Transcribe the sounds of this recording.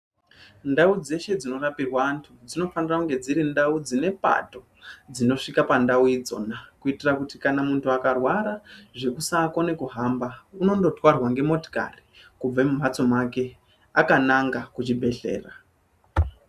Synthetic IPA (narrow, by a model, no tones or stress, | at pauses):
ndaud͡ze̞ʃe̞d͡zino̞rapirwaːntʰud͡zino̞fanirakuŋɡe̞d͡ziɾindaud͡zine̞pa̰to̞ | d͡zino̞ʂikapandauid͡zo̞̰nakuitirakutikanamuntʰuakarwaɾaʐe̞kusaːkwone̞kuɦambauno̞ndo̞twarwaŋɡe̞mo̞to̥ka̰rikub͡vemum̤at͡so̞make̞ | akanaŋɡakut͡ʃibʱe̞ɬe̞̰ːra